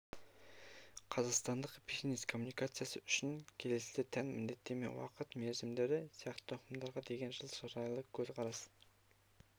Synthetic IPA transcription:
qʰɑzɑqst̪ɑnd̪əqpʲixneskʰo̞mːunijkat̪sɨjasəʏʃɪnkʲʰe̞le̞sɪet̪ʰænmɪnd̪e̞t̪ːe̞mḛnwɑ̰qət̪meɾzɪmd̪e̞ɾd̪ɪsijɑqt̪ət̪ʰoqəmd̪ɑɾʁɑd̪e̞ɡʲe̞nʒəlˠʃɑɾɑjlˠəkʲʰɵzqʰɑɾɑs

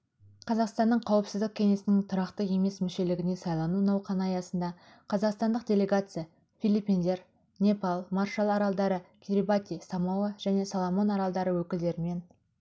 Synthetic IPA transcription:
qʰɑzɑqst̪ɑnːəɴqʰɑwəpsɪzd̪ɪk̚ʲʰːe̞ŋe̞sɪnɪŋt̪ʰʊɾɑqt̪əe̞me̞smɪʃe̞lɪɡʲɪne̞sɑjlˠɑnunɑwqʰɑnɑjɑsənd̪ɑ | qʰɑzɑqst̪ɑnd̪əqdʲe̞lʲe̞ɡat̪sɨja | fʲijlʲipʲind̪e̞ɾ | nʲe̞pɑlˠmɑrʃɑlˠɑɾɑlˠd̪ɑɾəkʲʰiɾʲibat̪ʲisɑmɑwəʒ̥æne̞sɑlˠo̞mo̞nɑɾɑlˠd̪ɑɾəwɵkʲɪld̪e̞ɾɪme̞n

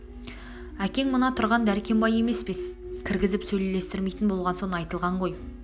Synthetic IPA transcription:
ækʲe̞ŋmʊnɑt̪ʰʊɾʁɑnd̪æɾkʲʰe̞mbɑje̞me̞spe̞skʲʰɪɾɡʲɪzɪpsɵjle̞le̞st̪ɪɾme̞jt̪ɪnbo̞lˠʁɑnso̞nɑjt̪əlˠʁɑɴʁo̞j

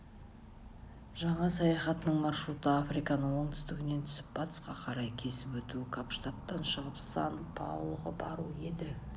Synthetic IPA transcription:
ʒɑɴɑsɑjɑχɑt̪ənəɴmɑrʃɾut̪əafɾijkɑnəɴwoɴt̪ʰʏ̥st̪ɪɡʲɪne̞nt̪ʰʏ̥sɪp̚b̥ɑt̪ə̥sqɑqʰɑɾɑjkʲʰe̞sɪpwɵt̪uɪkʰapʃt̪at̪ːɑnʃəʁəpsɑnpʰɑ̰wlˠəʁəbɑɾue̞d̪ɪ

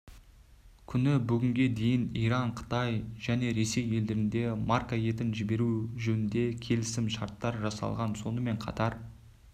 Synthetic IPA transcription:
kʲʰʏnɪbʏɡʲɪŋɡʲe̞d̪e̞jɪnijɾɑɴqʰə̥t̪ɑjʒ̥æne̞ɾe̞se̞je̞ld̪ɪɾɪnd̪e̞markaje̞t̪ɪnʒɪbe̞ɾuʒɵnɪnd̪e̞kʲʰe̞lɪsɪmʃɑɾt̪ːɑɾʒɑsɑ̰lˠʁɑnso̞nəme̞ɴqʰɑ̰t̪ɑɾ

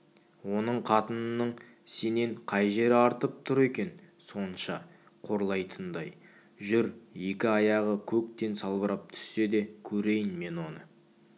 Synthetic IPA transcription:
wo̞nəɴqʰɑt̪ənənːəɴ | se̞ne̞ɴqʰɑjʒe̞ɾɪɑɾt̪əp̚t̪ʰʊɾe̞kʲe̞n | so̞nənʃɑ | qʰo̞ɾlˠɑjt̪ʰənd̪ɑj | ʒʏɾje̞kʲɪɑjɑʁəkʲʰɵkt̪e̞nsɑlˠbəɾɑp̚t̪ʰʏ̥sːe̞d̪e̞kʲʰɵɾe̞jɪnme̞nwo̞nə

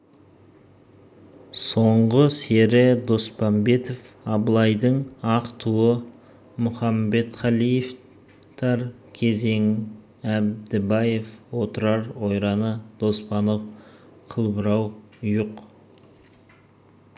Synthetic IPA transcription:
so̞ɴʁəse̞ɾɪd̪o̞spɑmbe̞t̪of | ɑblˠɑjd̪əɴɑqt̪ʰuwə | mʊχɑmbe̞t̪χɑlˠijef | t̪ʰɑɾ | kʲʰe̞ze̞ŋ | æb̚d̪ɪbɑjefwo̞t̪əɾɑɾwo̞jɾɑnəd̪̥o̞spɑnof | qʰəlˠbəɾɑw | juq

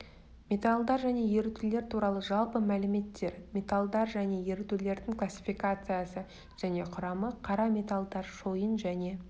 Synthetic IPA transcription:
mʲe̞t̪alˠd̪ɑɾʒæne̞je̞ɾɪt̪ʏle̞ɾt̪ʰuɾɑlˠəʒɑlˠpəmælɪme̞t̪ːe̞ɾmʲe̞t̪alˠd̪ɑɾʒæne̞je̞ɾɪt̪yle̞ɾd̪ɪŋklˠasʲːi̥fijkat̪sɨjasə | ʒ̥æne̞qʰʊɾɑməqʰɑɾɑmʲe̞t̪alˠd̪ɑɾʃo̞jənʒæne̞

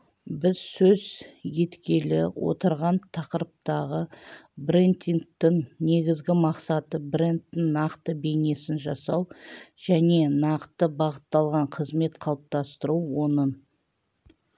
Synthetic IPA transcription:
bɪz̥sɵzje̞t̪kʲe̞lɪ̰wʔo̞̰t̪əɾʁɑnt̪ʰɑqəɾəp̚t̪ɑʁəbɾent̪iŋk̚t̪ɪŋne̞ɡʲɪzɡʲɪmɑqsɑt̪əbrent̪ːɪŋnɑqt̪əbe̞ne̞sɪnʒɑsɑwʒ̥æne̞nɑqt̪əbɑʁət̪ːɑlˠʁɑɴqʰəzme̞t̪qʰɑlˠəp̚t̪ɑst̪əɾuwo̞nən

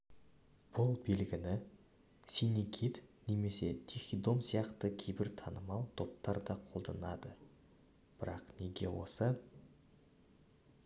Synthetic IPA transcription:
b̥ʊlˠbelɡʲɪnɪ | sinikʲʰit̪neme̞se̞t̪ʲʰixʲid̪o̞msijɑqt̪əkʲʰejbɪɾt̪ʰɑnəmɑlˠt̪ʰo̞p̚t̪ɑɾd̪ɑqʰo̞lˠd̪ɑnɑd̪ə | b̥ɪɾɑqneɡʲe̞̰wo̞̰sə

